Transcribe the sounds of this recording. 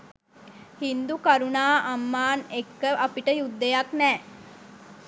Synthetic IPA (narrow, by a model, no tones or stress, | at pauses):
hind̪ukaɾunaːʔamːaːnekːəʔapiʈəjud̪ːejaknɛː